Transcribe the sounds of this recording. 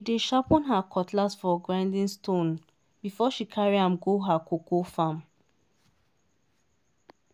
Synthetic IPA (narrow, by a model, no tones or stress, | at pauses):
ideʃapɔ̃nɦakʰɔtlasfɔɡɹãɪ̃ndĩnstʰõn | bifɔʃikʰaɹiɦãmɡoɦakokofãm